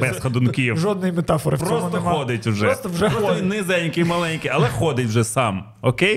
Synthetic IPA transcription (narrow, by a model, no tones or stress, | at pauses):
bɛsxɐd̪ʊnkʲiwʒɔd̪nʊjmet̪ɑfɔɾɪpɔsnɛɔd̪ɪtʲʊʒɛst̪ɔwʒɛnɪzɛnʲkɪmɐlˠɛnʲkɪɐlˠɛxɔd̪ɪtʲwʒɛsɑm | ɔkej